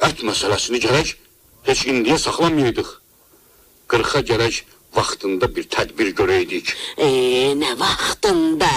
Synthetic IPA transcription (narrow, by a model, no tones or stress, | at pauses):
æt̪ʰmæsælæsiniɟæɾæc | he̞t͡ʃʰind̪ijæsɑχlˠɑmjɯjd̪ɯχ | ɡ̥ɯɾχɑɟæɾæc | vɑχt̪ʰɯnd̪ɑbiɾt̪ʰæd̪biɾɟøɾæjd̪icenævɑχt̪ɯnd̪ɑ